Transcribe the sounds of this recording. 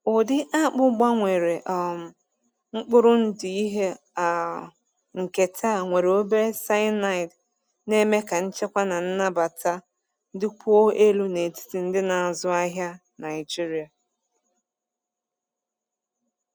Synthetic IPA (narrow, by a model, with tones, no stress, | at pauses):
ʊ˨dɪ˦ʔa˦k͡pʊ˦ɡ͡ba˦ŋʷe˨ɾe˨ʔ | ŋ͡m̩˦k͡pʊ˦ɾʊ˦n̩˦dɪ˨i˦ɦe˦ | a˨ | ŋ̩˨ke˨tʰa˦˨ŋʷe˨ɾe˨o˦be˦sa˦ɪ˦na˦ɪ˨t | ne˦me˦ka˨n̩˦t͡ʃe˦kʷa˦na˨n̩˦na˦ba˨ta˦ | dɪ˦kʷʰu˦o˦ʔe˦lu˦ne˨ti̥˦ti˨n̩˦dɪ˦na˨a˨zʊ˦a˦ɦja˦ | na˨ɪ˨d͡ʒi˦ɾi˨a˨